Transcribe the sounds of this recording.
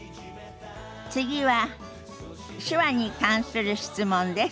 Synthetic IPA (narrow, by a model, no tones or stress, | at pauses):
t͡sɨɡʲiβa | ɕɨβaɲ̟ikãɰ̃sɨɾɯ̟ɕi̥t͡sɨmõ̞nd̪e̞s